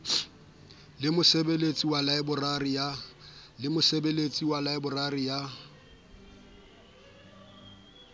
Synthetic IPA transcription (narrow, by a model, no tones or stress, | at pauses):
lɪmʊsebelet͡sʼiwalaɪbʊrarɪjalɪmʊsebelet͡sʼiwalaɪbʊrarɪja